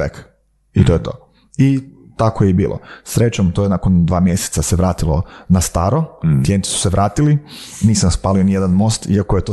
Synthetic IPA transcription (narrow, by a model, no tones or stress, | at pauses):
ek | it̪ojt̪oː | i | t̪akojeibiːlˠo̰sɾet͡ʃomt̪oːjenakond̪ʋaːmjese̥t̪saseʋɾaːt̪ilˠo̰nast̪aːɾo̞t̪jent̪i̥su̥seʋɾaːt̪iliniːsamspaːlionijed̪anmo̞st̪iakojet̪o